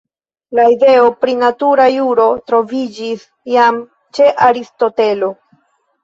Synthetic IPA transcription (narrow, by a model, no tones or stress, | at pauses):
laide̞o̞pɾinatuɾajuɾo̞tɾo̞vid͡ʒis | jam | t͡ʃe̞ʔaɾisto̞te̞lo̞